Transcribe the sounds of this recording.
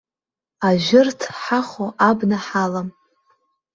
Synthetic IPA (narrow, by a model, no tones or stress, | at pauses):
aʒʊrtʰħaχoʔabnaħalam